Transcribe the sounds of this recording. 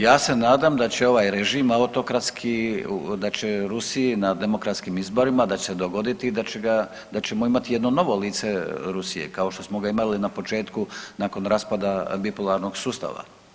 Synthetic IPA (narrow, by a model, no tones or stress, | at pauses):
jaːse̞naːd̪amd̪at͡ɕe̞o̞ʋaːjɾeʒiːmaut̪o̞kɾat̪skʰid̪at͡ɕe̞ɾusiinad̪e̞mo̞kɾat̪skimizbo̞ɾimad̪at͡ɕesed̪o̞ɡo̞d̪it̪id̪at͡ɕeɡa | d̪at͡ɕe̞moimat̪ijed̪no̞no̞ʋo̞liːt̪seɾusijḛkao̞ʃt̪o̞smo̞ɡaimalinapo̞t͡ʃe̞ːt̪kunako̞nɾaspad̪abipulˠaɾno̞ɡsuːst̪a̰ʋa̰